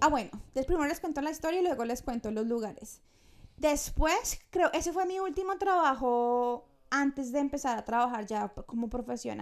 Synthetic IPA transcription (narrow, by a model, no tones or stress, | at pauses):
aβwenod̪espɾimeɾoleskwe̞nt̪olaist̪o̞ɾjailweɣole̞skwe̞nt̪olo̞zluɣaɾes | d̪e̞spwe̞skɾe̞oʔe̞se̞fwe̞miult̪imo̞t̪ɾaβaxo̞ | ant̪e̞zd̪eːmpe̞saɾat̪ɾaβaxaɾd͡ʒako̞mo̞pɾo̞fe̞sjo̞̰na̰